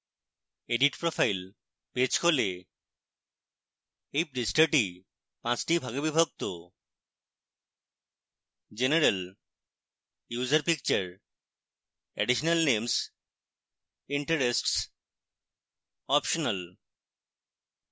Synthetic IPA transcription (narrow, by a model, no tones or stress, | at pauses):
eɖiʈpɾofajl | pet͡ɕkole | ejpɾisʈaɾʈi | pãt͡ɕʈibʱaɡebibʱok̚t̪o | d͡ʑeneɾel | jud͡ʑaɾpik̚t͡ɕaɾ | ɛ̰ɖiʃonalnems | iɳʈaɾesʈs | ɔpʃonal